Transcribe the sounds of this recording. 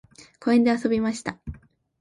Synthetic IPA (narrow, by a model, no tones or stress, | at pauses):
ko̞ẽnd̪e̞aso̞bʲimaɕi̥t̪a